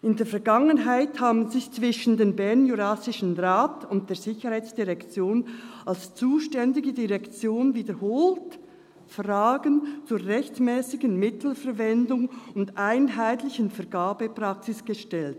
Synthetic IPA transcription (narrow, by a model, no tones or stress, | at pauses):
ɪndeːɐfɛɐɡaŋənɦaɪthaːbn̩zɪçt͡sv̥ɪʃn̩deːmbɛɐnjuɾasɪʃən̩ʁaːtʊnt̚d̥eːz̥ɪçəhaɪt͡sd̥iʁɛkt͡sjoːnalst͡suːʃtɛndɪɡədiʁɛkt͡sjoːnviːdəhoːlt | fʁaːɡənt͡suːɐʁɛçtmɛːsɪɡən̩mɪtʰl̩fɛɾvɛndʊŋʊndʔaɪnɦaɪtlɪçənfɛɐɡaːbəpr̥aksɪsɡ̥əʃtɛlt̚